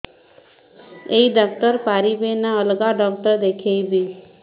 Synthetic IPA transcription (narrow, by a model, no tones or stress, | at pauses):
eiɖɔk̚t̪əɾpaɾibenaəlɡaɖɔk̚ʈ̪əɾd̪ekʰejbi